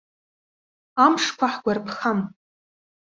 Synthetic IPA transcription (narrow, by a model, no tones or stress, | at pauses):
amʂkʷʰaħɡʷarpʰχam